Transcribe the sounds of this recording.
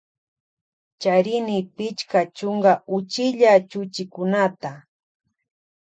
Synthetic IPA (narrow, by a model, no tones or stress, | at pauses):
t͡ʃaɾɪnɪpɪt͡ʃkat͡ʃʊŋɡaʊt͡ʃɪʎat͡ʃʊt͡ʃɪkʊnat̪a